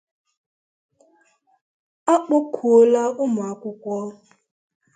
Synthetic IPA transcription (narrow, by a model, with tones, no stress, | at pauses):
a˦k͡po˦kʰu˨o˦la˦ʊ˦ma˨a˨kʷʊ˦kʷɔ˦